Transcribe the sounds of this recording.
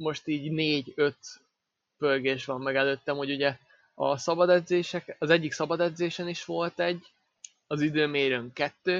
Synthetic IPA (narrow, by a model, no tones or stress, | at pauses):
mo̞ʃt̪iːɟneːɟøt̪ | pølɡeːʃʋɒmːɛɡɛløːt̪ːɛmho̞ɟuɟɛ | ɒ̰sɒbɒd̪ɛd̪zeːʃɛkɒzɛɟːiksɒbɒd̪ɛd̪zeːʃɛniʃʋo̞lt̪ɛɟː | ɒzid̪øːmeːɾøŋkɛt̪ːøː